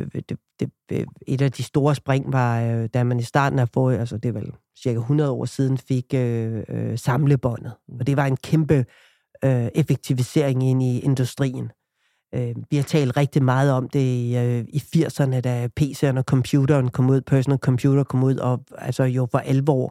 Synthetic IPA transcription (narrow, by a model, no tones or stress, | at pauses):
d̥ed̥e | e̝d̥æd̥isd̥o̝ːɐsb̥ʁaŋ̰ʋɑ̈d̥æmænisd̥ɑ̰̈ːd̥n̩æfɔ̰ːælsəd̥e̝ʋel | siɐkæɦunʁɐð̞ˠɒ̰ːsiːð̞ˠn̩fe̝ɡ̥øøsɑ̈mləb̥ɒ̽n̰ð̞̩ˠɒ̽d̥e̝ʋɑ̈e̝nkʰemb̥ə | øe̝feɡ̥̚t͡sʰiʋise̝ɐ̰eŋe̝n̰ie̝nd̥usd̥ʁḭːn̩ | øʋihɑ̈t͡sʰɛ̰ːld̥ʁeɡ̥̚d̥imɑ̈ːð̞̩ˠɒ̽md̥e̝iifiɐ̰sɐnəd̥æpʰe̝̰ːseɐnɒkʰɒ̽mpʰjuːdɐnkʰɒ̽muð̰ˠpʰæɐsnelkʰɒ̽mpʰjuːɾ̥ɐkʰɒ̽muð̞̰ˠɒælsɒjo̝fɒʔælʋɒ̰ː